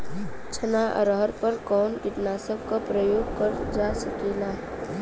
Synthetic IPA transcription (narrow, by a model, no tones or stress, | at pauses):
t͡ʃʰɐnaʔɐ̰ɾɦəɾpəɾkɔːnkɪʈnaːsəb̚kapɾəjoːɡ̚kəɾd͡ʒaːsɐkelaːɦɛ